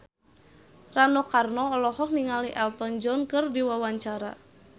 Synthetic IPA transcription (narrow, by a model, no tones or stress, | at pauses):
ranɔkarnɔːlɔhɔk̚niŋaliʔɛlt̪ɔnd͡ʒɔnkɨrdiwawaɲt͡ʃaɾa